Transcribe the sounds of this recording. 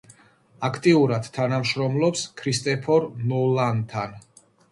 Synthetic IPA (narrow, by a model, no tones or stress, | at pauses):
akʰt̪ʼiuɾad̪̥t̪ʰanamʃɾɔmlˠɔpskʰɾist̪ʼɛpʰɔɾnɔlˠant̪ʰan